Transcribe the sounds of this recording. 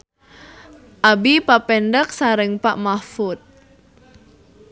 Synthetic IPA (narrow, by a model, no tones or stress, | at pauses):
ʔabipapɛnɖək̚saɾɪŋpaʔmafʊt̪̚